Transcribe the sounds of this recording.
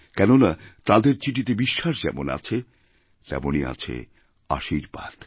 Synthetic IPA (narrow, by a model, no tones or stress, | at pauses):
kɛnonat̪ãd̪eɾt͡ɕiʈit̪ebiʃːaʃd͡ʑɛmona̰t͡ɕʰe | t̪ɛ̰monia̰t͡ɕʰḛ | a̰ʃiɾbad̪̥